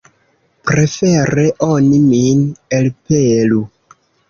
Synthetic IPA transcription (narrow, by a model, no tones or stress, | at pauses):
pɾe̞fe̞ɾe̞ʔoniminelpelu